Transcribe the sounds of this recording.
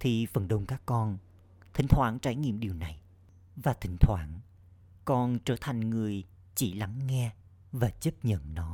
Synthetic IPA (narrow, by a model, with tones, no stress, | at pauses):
t̪ʰi˨˩fə˨˩nɗə˧wŋ͡mkaː˦˥kːɔ˧n | t̪ʰï˧˩˦ŋ̟t̪ʰwaː˧˥nt͡ɕaː˧˩jŋḭ˧˨əmɗi˨˩əwna˨˩j | vaː˨˩t̪ʰï˧˦ŋ̟t̪ʰwaː˧˩n | kɔ˧nt͡ɕəː˧˩t̪ʰa˨˩jŋ̟ŋɨ˨˩əj | t͡ɕi˧˩la˨˦ŋːɛ˧ | vaː˨˩t͡ɕə˦˥p̚ɲə̰˧˨nnɔ˨˦